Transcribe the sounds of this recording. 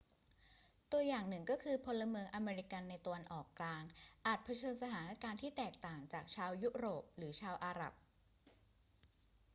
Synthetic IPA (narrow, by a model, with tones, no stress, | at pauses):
t̪u˧ɐjaː˨˩ŋnɯ˨˩ŋkɔː˥˩kʰɯː˧pʰo˧lːa˧mɯː˧əŋʔa˧meː˧ɾi˧˥ka˧nːa˧jt̪a˧wa˧nʔɔː˨˩kːlaː˧ŋʔaː˨˩t̪̚pʰa˧t͡ɕʰɤː˧nsa˧t̪ʰaː˩˦na˧˥kaː˧nt̪ʰiː˥˩t̪ɛː˨˩k̚t̪aː˨˩ŋt͡ɕaː˨˩k̚t͡ɕʰaː˧wju˦˥ɾoː˨˩p̚ɾɯː˩˦t͡ɕʰaː˧wʔaː˧ɾa̰˨˩p̚